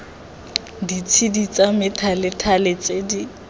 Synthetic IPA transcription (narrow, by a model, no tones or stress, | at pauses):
dit͡sʰidit͡sʼamɪtʰalɪtʰalet͡sedi